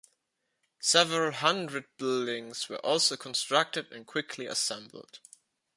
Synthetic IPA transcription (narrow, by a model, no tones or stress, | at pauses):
sɛvəɹəl̩ˠɦʌ̃ndɹɨd̚bɪldɪ̃ŋz̥wə̰˞ʔɔlˠsoʊkʰə̃nstɹ̥ak̚tɨdɨ̰̃nkʰw̥ɪkʰliə̰sɛ̃mbl̩ˠd̥